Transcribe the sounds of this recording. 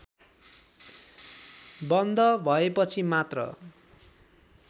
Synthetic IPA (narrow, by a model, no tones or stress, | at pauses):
bʌnd̪ʌbʱʌepʌt͡sʰimat̪rʌ̰